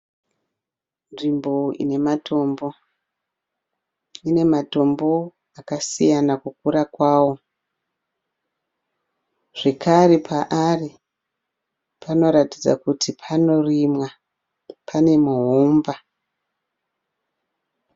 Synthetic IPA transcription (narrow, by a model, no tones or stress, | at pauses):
nrimbo̞ḭne̞matʰo̞mbo̞ | ine̞mato̞mbo̞ | akasijanakukuɾakwaːwo̞ | ʐ̥e̞kaɾepʰaʔari | pʰano̞ɾatid͡za̰kutipʰano̞rimwa | pʰane̞muɦuːmba